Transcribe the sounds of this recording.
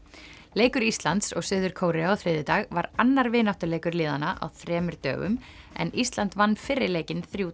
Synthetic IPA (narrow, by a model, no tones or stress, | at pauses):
leːjkʏɾist̪lant̪sɔɣsʏːðʏɾ̥kʰoːwɾɪaɔθɾɪːðɪt̪aɣvaɾanːaɾvɪːnawht̪ʏleːjkʏɾlɪːðanaʔa̰wθɾɛːmʏɾ̥t̪œ̰ːɣʏ̰m | ɛ̰nist̪lant̪vanːfɪrːɪɾleːjcɪnθɾjuː